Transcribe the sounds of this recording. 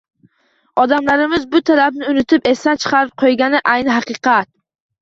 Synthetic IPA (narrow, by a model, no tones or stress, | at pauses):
ɒd̪amlaɾɪmɪzbʊt̪ʰalabnɪʊnɪt̪ʰɪpe̞sant͡ʃʰɨ̥qʰɑɾɪp̚qʰojɡʲanɪʔajnɪɦɑqɨqʰɑt̪̚